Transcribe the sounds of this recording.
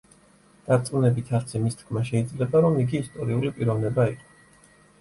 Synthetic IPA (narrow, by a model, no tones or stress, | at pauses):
d̪̥at̪sʼmunɛbit̪ʰaɾt̪sʰɛmist̪ʰkʰmaʃɛid̪zlɛbaɾɔmiɡiːst̪ʼɔɾiulipʼiɾɔvnɛbaiqʼɔ